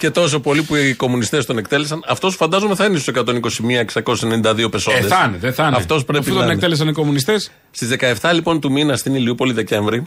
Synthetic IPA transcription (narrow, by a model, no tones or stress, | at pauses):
ce̞t̪o̞s̬o̞po̞lipuko̞munist̪e̞st̪one̞kt̪e̞le̞sɐnɐft̪o̞sfɐnd̪ɐzome̞θɐinest̪u̥sekɐt̪o̞niko̞simiɐeksɐko̞ssenenind̪ɐðio̞pe̞soeesɐneðeθɐnɐft̪o̞spɾepiut̪onek̪eles̬ɐniko̞munist̪es | st̪izðekɐe̞ft̪ɐlipo̞nt̪uminɐst̪iniliupo̞liðe̞ce̞ɱvɾi